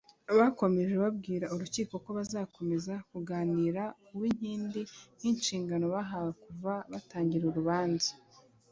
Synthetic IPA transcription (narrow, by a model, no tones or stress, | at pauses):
aβako̞me̞ʒe̞βabɡiːɾauɾuciːko̞ko̞βazaːko̞me̞zakuɡaːniɾa | uwiɲ̥hiːndin̥inʃiːŋɡano̞βaɦawakuvaβataːɲɟiɾuɾuβaːnzḁ